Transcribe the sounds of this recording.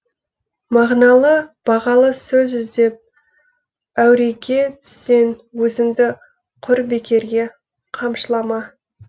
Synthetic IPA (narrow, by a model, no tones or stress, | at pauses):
mɑʁnɑlˠəb̥ɑʁɑlˠəsɵzɪzd̪e̞p̚ | æwɾe̞ɡʲe̞t̪ʰʏ̥sːe̞nwɵzɪmd̪ɪ | qʰʊɾbe̞kʲe̞ɾɡʲe̞ | qʰɑmʃəlˠɑmɑ